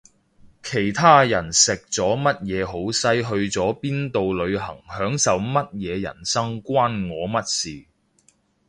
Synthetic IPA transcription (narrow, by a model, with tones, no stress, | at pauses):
kʰe˨˩jt̪ʰaː˥jɐ˨˩nsɪ˨k̚t͡sɔː˨˥mɐ˥t̚jɛː˨˧ɦo˨˥wsɐ˥jɦɵ˧ɥt͡sɔː˨˥piː˥nt̪o˨wlɵ˨˧ɥɦɐ̰˨˩ŋhœː˨˥ŋsɐ˨wmɐ˥t̚jɛː˨˧jɐ̰˨˩nsɐ˥ŋkʷwaː˥nŋɔː˨˧mɐ˥t̚siː˨